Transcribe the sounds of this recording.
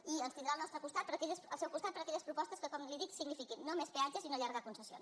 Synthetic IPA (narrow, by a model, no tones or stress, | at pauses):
iənst̪ind̪ɾalˠnɔst̪ɾəkust̪at̪̚pəɾəkɛʎəsəlˠsɛwkust̪at̪̚pəɾəkɛʎəspɾupɔst̪əskəkɔmliðiksiɡnifikinːomespeanʒəsinoʎaɾɣəkunsəsion